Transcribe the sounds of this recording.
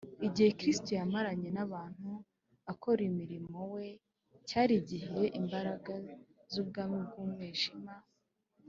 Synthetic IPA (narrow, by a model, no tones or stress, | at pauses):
iɟihe̞kɾistojamaɾaɲe̞naβaːn̥hu | ako̞ɾimiɾimo̞we̞ | caːɾiɟihieʔimbaɾaɡazub̚ɡaːmib̚ɡuːmŋweːʒima